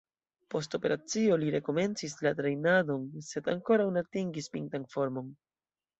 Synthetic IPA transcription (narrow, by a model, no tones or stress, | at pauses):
po̞sto̞pe̞ɾat͡sio̞liɾe̞ko̞me̞nt͡sislatɾe̞jnado̞nse̞daŋko̞ɾawnatiŋɡispiŋtanfo̞ɾmo̞n